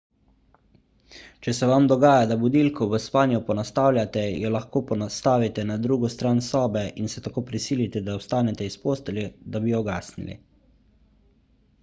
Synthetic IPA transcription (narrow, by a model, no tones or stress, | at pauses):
t͡ʃɛsɛʋamd̪ɔɡaːjad̪abud̪ilkɔʋəspaːnjɔpɔnast̪aːwlʲjat̪ɛjɔlaxkoːpɔnast̪aːʋit̪ɛnad̪ɾuːɡɔst̪ɾaːnsɔːbɛinsɛt̪akoːpɾisiːlit̪ɛd̪aɔst̪aːnɛt̪ɛispoːst̪ɛlʲɛd̪abijɔɡaːsnḭlḭ